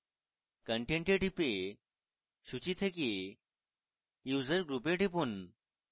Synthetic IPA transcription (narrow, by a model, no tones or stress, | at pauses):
kəɳʈẽɳʈeʈipe | ɕut͡ɕit̪ʰeki | juzəɾɡɾupeʈip̬uːn